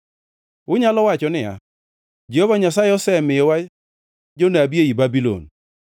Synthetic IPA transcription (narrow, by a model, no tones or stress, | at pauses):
ʊɲalɔwat͡ʃɔnɪa̰ | d͡ʒehɔvaɲasajeɔsɛmɪjɔwa | d͡ʒonabieibabilo̰n